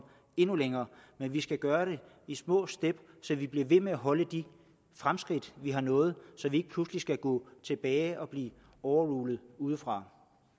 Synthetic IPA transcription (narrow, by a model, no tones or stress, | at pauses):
e̝nuleŋɐːmenʋisɡ̥æɡ̥ɶːɐɾ̥e̝ | ismɔ̰̽ːsd̥eb̥sɒ̽ʋib̥liɐʋe̝meæɦɒ̽ləd̥i | fʁamsɡ̥ʁid̥ʋiɦɑ̈nɔ̽ːð̞̩ˠsɒ̽ʋie̝ɡ̥ə̥pʰluslisɡ̥æɡ̥ɔ̰̽ːt͡sʰe̝b̥ɛːɪʔɒ̽b̥liː | ɒʊɐʁuːlð̩ˠuːð̞ˠəfʁɑ̈